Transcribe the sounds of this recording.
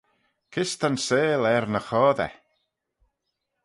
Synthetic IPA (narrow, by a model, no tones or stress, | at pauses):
kʰɪst̪anseːlɛɾnəxɔːðɛ̰